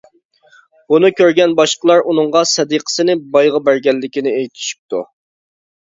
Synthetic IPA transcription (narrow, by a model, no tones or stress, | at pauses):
b̥unɨkʲʰøɾɡʲɛnbɑʃqəlˠɑɾunɨŋʁɑsɛd̪iqʰə̥sɨnɪbɑjʁɑbæɾɡʲɛlːɪkʲinɪejt̪ʰɪ̥ʃi̥p̚t̪ʰu